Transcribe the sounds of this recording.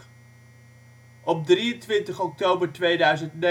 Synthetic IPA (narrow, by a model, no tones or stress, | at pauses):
ʔɔb̚driəntʋɪntəχɔk̚towbəɹtʋejdœɥzəntn